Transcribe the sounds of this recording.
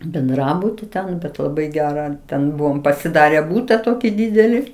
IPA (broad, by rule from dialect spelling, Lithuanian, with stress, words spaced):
bʲɛnˈdrɑːbʊtʲɪ tʲɛn bʲɛt lˠɐˈbɐɪ ˈɡʲæːrɑː ˈtʲɛn ˈbʊʋoːm pɐsʲɪˈdɑːrʲɛ ˈbuːtɐ ˈtoːkʲɪ ˈdʲiːdʲɛlʲɪ